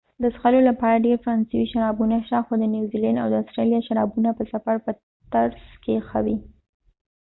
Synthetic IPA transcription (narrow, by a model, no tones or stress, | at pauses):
d̪əsxalolapɑɾaɖeɾfaɾɑnsawiʃaɾɑbunaʃt̪axod̪ənjuwzilanda̰wd̪əastɾelijaʃaɾɑbunapəsafaɽpə | t̪aɾzkexa̰wi